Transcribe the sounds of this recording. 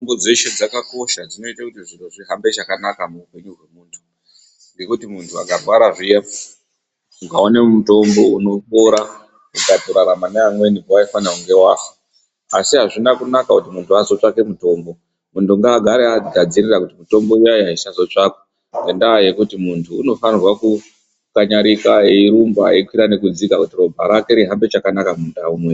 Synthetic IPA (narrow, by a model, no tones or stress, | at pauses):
tombod͡zeʃed͡zakako̞ʃad͡zino̞itakutiʐiruʐiɦambe̞t͡ʃakanakamuupe̞ɲuɦwe̞muːntʰu | ŋɡe̞kutimuntʰua̰ɡʱarwaɾaʐija | uŋɡaonemuto̞mbo̞uno̞ɓoɾa | ukadʱoɾaɾamaneamwe̞nipowaifanauŋɡe̞waːfu̥ | asiɦaʐinakunakakutimuntʰuazo̞t͡ʂake̞muto̞mbo̞ | muntʰuŋɡaːɡʱaɾeaɡʱad͡zirirakutimuto̞mbo̞uajaisazo̞t͡ʂako̥ | nendaje̞kutimuntʰuːno̞fanirwaku | kaɲaɾikaeiɾumbaikwiɾane̞kud͡zikakutiro̞bʱa̰ɾake̞ɾiɦambe̞t͡ʃakanakamundaumwe